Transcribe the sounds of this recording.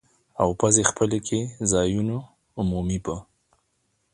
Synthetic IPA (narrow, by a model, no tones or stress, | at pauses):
awpazexpəlekʰezɑjunaː | mumibə